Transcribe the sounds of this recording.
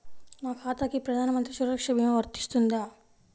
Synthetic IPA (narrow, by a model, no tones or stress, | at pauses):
maːkʰaːt̪akipɾɐd̪ʱaːnɐmɐnt̪ɾisuɾɐkʂɐbʱimɐʋɐɾt̪i̥st̪und̪aː